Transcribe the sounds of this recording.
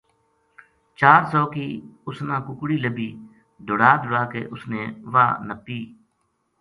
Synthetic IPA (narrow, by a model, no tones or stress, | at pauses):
t͡ʃaːɾsɔːkiːʊsnãːkʊkɽiːləbiː | d̪ʊɽaːd̪ʱʊɽaːkḛːʔʊsneːʋaːnəpːiː